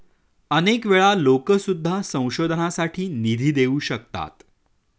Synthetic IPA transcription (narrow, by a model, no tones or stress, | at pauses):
ənekʋeɭalokəsud̪ʱːasə̃w̃ɕod̪ʱənasaʈʰiːnid̪ʱiːd̪euːɕəkt̪a̰t̪